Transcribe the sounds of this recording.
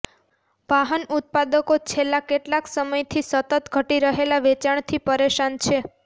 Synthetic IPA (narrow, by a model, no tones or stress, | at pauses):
ʋaɦənut̪̚pad̪əkot͡ʃʰelːakeʈlaksəməjt̪ʰisət̪ət̪ɡʱəʈiɾəɦelaʋet͡ʃaɳt̪ʰipəɾeʃant͡ʃʰe